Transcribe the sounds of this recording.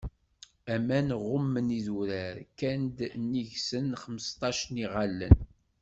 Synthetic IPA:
æmænʁʊmːəniðuɾæɾkænd̪nːiʝsənχəməst̪ˤɑʃəniʁalːə̰n

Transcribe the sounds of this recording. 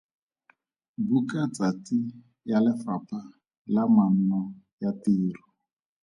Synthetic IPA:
bukat͡sati | jalɪfapa | laman̩nɔ | jatiːru

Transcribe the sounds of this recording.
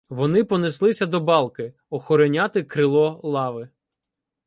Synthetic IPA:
ʋɔnɪpɔnɪslˠɪsʲɐd̪ɔbɑlˠkɪ | ɔxɔɾɔnʲat̪ɪkɾɪlˠɔlˠɑʋɪ

